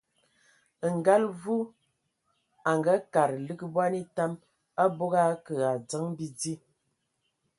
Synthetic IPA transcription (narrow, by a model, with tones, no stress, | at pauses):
ŋ̩˨ɡa˦lvu˦ | a˨ŋɡa˦ka˨ɾlɨ˦ɡbwa˦ni˦ta˦m | a˦bo˦ɡa˦kə˨a˨d͡zə˦ŋbi˦d͡zi˦